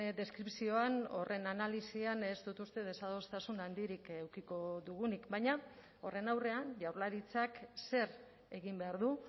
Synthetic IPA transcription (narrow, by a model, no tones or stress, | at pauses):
d̪e̞skɾipsio̞ano̞̰rʔe̞nanalisianest̪ut̪ust̪e̞ð̞e̞saðo̞st̪asunand̪iɾikewkiko̞ðuɣ̞unikbajɲa | o̞re̞nawre̞aɲʝawɾlaɾit͡sakse̞ɾ | e̞ɣimbe̞aɾðu